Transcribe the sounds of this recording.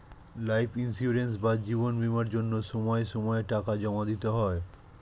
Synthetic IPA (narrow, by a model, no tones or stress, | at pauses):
lajpʰinsiuɾens̬bad͡ʑiβonbimaɾd͡ʑonːoʃɔmɔeʃɔmɔeʈakad͡ʑɔmad̪it̪oɦɔe